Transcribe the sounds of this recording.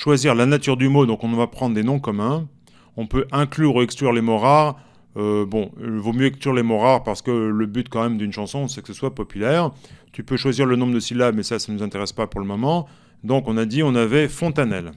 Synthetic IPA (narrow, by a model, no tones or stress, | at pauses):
ʃwaziʁlanat̪yʁd̪ymod̪ɔ̃kɔ̃vapχɑ̃d̪ʁd̪enɔ̃kɔmɛ̃ | ɔ̃pøʔɛ̃klyːʁuɛksklyʁlemoʁaʁ | øbɔ̃ilvomjøɛksklyʁlemoʁaʁpaʁsə̥kələbyt̪kɑ̃mɛmd̪ynʃɑ̃sɔ̃sɛkə̥səswapɔpylɛʁt̪ypøʃwaziʁlənɔ̃bʁd̪əsilamɛsasanuzɛ̃t̪eʁɛspapuʁləmɔmɑ̃ | d̪ɔ̃kɔ̃nad̪iɔ̃navɛfɔ̃t̪anɛl